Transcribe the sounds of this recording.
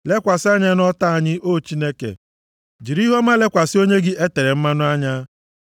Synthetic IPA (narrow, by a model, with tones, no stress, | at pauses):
le˦kʷa˨sɪ˦a˦ɲa˦nɔ˦ta˦a˨ɲɪ˦ʔo˦t͡ʃi˦ne˦kḛ˨ | d͡ʒi˨ɾi˦ɦo˦ma˦le˦kʷa˨sɪ˦o˦ɲe˦ɡɪ˦ʔe˦te˨ɾe˨m̩˦ma˦nʊ˦a˦ɲa˦